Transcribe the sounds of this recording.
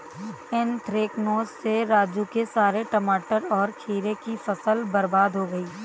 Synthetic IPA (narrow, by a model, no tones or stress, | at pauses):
ɪnt̪ɾeːknoːzseɾaːd͡ʒũkesaːɾeʈɐmaːʈəɾɔːɾkʰiːɾekifɐsəlbɐɾbaːd̪ʱɦoɡɐiː